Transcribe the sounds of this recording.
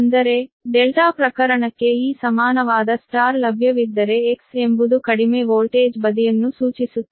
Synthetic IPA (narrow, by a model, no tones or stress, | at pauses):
nd̪ɐɾe̞ɖelʈaːpɾɐkɐɾɐɳɐkːe̞iːsɐmaːnɐʋaːd̪ɐsʈaːɾlɐbʱjɐʋid̪ːɐɾe̞ːkse̞mbud̪ukɐɽimeʋoːlʈeːd͡ʒbɐd̪ijɐnːusuːt͡ʃisut̪ː